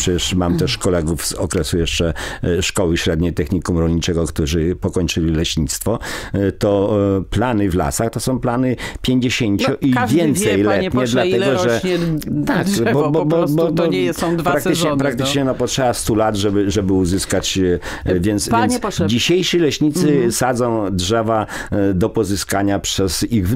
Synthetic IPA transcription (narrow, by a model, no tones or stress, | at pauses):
pʂɛt͡ɕɛʂmamt̪ɛʂkɔlɛɡufz̥ɔkɾɛsujɛʂt͡ʂɛʂkɔwɘɕɾɛd̪ɲejt̪ɛxɲikumɾɔlʲɲit͡ʂɛɡɔkt̪uʐɘpɔkɔɲt͡ʂɘlʲilɛɕɲit̪st̪fɔt̪ɔplanɘvla̰saxt̪ɔsɔ̃w̃planɘpʲjeɲd͡ʑeɕeɲt͡ɕuʔivʲjɛnt̪sɛjlɛtɲɛd̪lat̪ɛɡɔʐɛt̪akbɔbɔbɔbɔd̪ɔpɾakt̪ɘɲɛpɾakt̪ɘt͡ʂɲɛnɔpɔtʂɛbast̪ulat̪ʐɛbɘʐɛbɘuzɘskat͡ɕ | vʲjɛnt̪svjɛnsd͡ʑiɕejʂilɛɕɲit̪sɘsad̪zɔ̃w̃dʐɛvad̪ɔpɔzɘskaɲapʂɛziɣ